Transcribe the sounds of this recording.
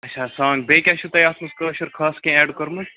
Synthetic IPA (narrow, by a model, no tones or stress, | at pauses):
ɐtt͡ʃʰaːsaːŋɡbeːkʲaʃʰut̪ɐjaːt̪mɐskɐʃɐɾkʰaːskẽɛːɖkɐɾmɐ